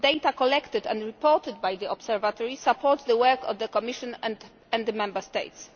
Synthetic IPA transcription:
d̪ejt̪akɔlɛkt̪ɪd̪ɛ̰̃ndɹipɔɾt̪ɪd̪̚bajd̪iɔbsɛɾvat̪ɔɹisapʰɔɾt̪sd̪əwɛɾkɔ̰vd̪əkɔmiʃɔ̃nɛ̃ | ɛ̃nd̪d̪əmɛ̃mbəst̪ḛjt̪s

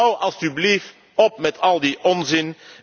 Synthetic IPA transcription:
wɑlˠzdyblif | ɔp̚mɛtʰɑlˠdiʔɔnzɪn

